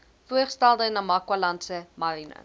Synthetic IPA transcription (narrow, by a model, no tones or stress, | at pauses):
fuəχstælˠdənɐmɐkwɐlɐntsəmɐɾinə̰